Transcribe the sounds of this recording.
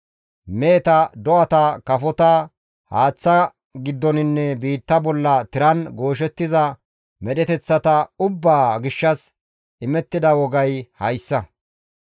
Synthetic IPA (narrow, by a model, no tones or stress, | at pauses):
me̞ːt̪ɐd̪ɔʔɐt̪ɐkɐfɔt̪ɐ | haːt͡sːɐ | ɡɪd̪ːɔnɪnːɛbiːt̪ːɐbɔlːɐt̪ɪɾɐnɡo̞ːʃ̬ɛt̪ːɪzɐ | mɛɗɛt̪ɛt͡sːɐt̪ɐʊbːaːɡɪʃːɐs | ɪmɛt̪ːɪd̪ɐwɔɡɐjhɐjsːɐ